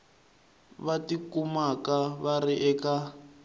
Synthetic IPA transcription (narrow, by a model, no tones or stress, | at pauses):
βatikumakaβariʔɛka